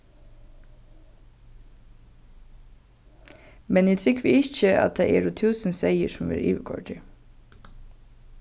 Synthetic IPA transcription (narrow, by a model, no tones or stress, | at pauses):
mɛniːt̪ʰɾʏkʋiːɪçəʔɑ̰t̪̚d̪eːʔḛːɾʊt̪ʰʉːsn̩seɪəʃɔmʋḛːɾʔḭːʋəkʰɔ̰lʈʰɪ